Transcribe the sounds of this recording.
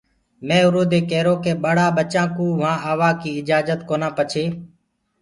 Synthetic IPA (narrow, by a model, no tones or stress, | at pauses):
mẽːʊɾoːd̪eːkeːɾoːkeːɓəɽaːɓət͡ʃãːkũːʋãːʔaːʋaːkiːɪd͡ʒaːd͡ʒət̪koːnãːpət͡ʃʰeː